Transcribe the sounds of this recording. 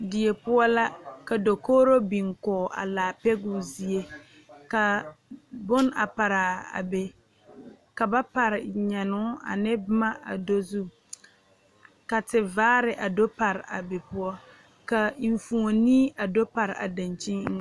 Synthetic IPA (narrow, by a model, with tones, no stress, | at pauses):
dɪ˨e˨pʊ˦ɔ˦la˦ka˨do˨koː˦ɾo˦bi˨ŋkɔː˨ʔa̰˨laː˨pɛ˦ɡʊ˦zi˦e˦ | ka˨ | bʊ˦na̰˨pa˨ɾa˨a̰˨be˨ | ka˨ba˦pa˨ɾɪ˨ɲɛ˨nʊ˦a̰˨nɪ˦bma˦a̰˨do˦zu˦ | ka˨tɪ˨vaː˦ɾɪ˨ʔa˨do˦pa˨ɾɪ˨a̰˨be˨pʊ˦ɔ˦ | ka˨ɱ˨fu˨o˨niː˦ʔa˨do˦pa˨ɾɪ˨ʔa̰˨da˨nt͡ʃi˦ŋŋ˦